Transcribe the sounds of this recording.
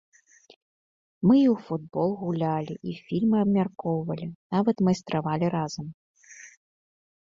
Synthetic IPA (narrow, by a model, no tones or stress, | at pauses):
mɨiwfud̪̚bɔlˠɣulʲalʲiʔifʲilʲmɨɐbmʲarkɔwvɐlʲinavɐt̪mɐjst̪ɾavalʲiɾazɐm